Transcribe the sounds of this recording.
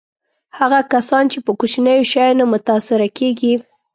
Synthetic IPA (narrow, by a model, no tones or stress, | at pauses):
haɣakasɑnt͡ʃepəkut͡ʃinəjoʃɑjnamʊt̪asɪɾakeɡi